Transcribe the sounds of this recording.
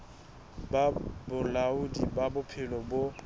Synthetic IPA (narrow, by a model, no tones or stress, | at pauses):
babʊlaudibabʊpʰɪlɔbʊ